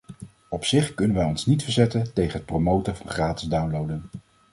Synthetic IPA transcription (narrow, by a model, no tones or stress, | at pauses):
ɔpsɪχkɵnənʋɛjɔnsnitfəɹzɛtəntejχənɦət̚prowmowtəɹvɑnχraːtɪzdawnlowdən